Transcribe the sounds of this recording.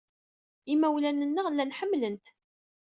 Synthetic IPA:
imæwlænənːəlːænħəmːlənt̪

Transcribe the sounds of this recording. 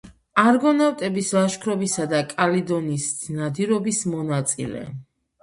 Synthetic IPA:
aɾɡɔnawt̪ʼɛbislaʃkʰɾɔbisad̪akʼalid̪ɔnisnad̪iɾɔbismɔnat̪sʼḭlɛ̰

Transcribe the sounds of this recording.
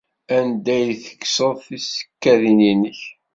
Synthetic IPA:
ænd̪æjθə̥kːsəðˤθisə̥kːæðininəç

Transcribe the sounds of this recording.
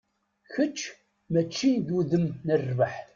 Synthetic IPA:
çət͡ʃː | mæt͡ʃːiðuðəmnərːvəħ

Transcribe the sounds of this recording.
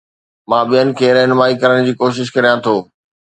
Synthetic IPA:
mãːɓijənɪ̆kʰeːɾɛɦnmaːikɐɾəɽ̃d͡ʑiːkoːʃ̬ɪʃkɐɾijãt̪ʰoː

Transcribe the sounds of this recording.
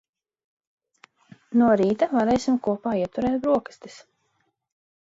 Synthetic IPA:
nuɔɾiːt̪avaɾɛjsʲimkuɔpaːiɛt̪uɾɛːt̪bɾuɔkḁst̪i̥s

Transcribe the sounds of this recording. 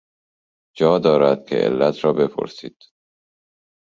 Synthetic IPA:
d͡ʒɒːd̪ɒːɾæd̪̥̚kʰḛʔḛlːæt̪ʰɾɒːbe̞pʰo̰ɾsḭːd̪̥

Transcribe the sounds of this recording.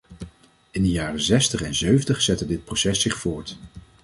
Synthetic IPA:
ɪndəjaːrəzɛstəχɛnzøɥvəntəχz̥ɛtədɪt̚prowsɛsːɪχfʊːɹt

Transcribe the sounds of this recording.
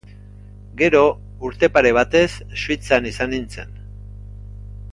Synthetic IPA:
ɡe̞ɾo̞ | uɾt̪e̞paɾe̞β̞at̪e̞sːuit͡sanisanint͡se̞̰n

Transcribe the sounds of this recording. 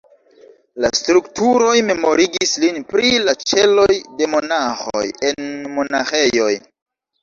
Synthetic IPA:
lastɾuktuɾo̞jme̞mo̞ɾiɡislinpɾilat͡ʃe̞lo̞jde̞mo̞naxo̰je̞nmo̞naxe̞jo̞j

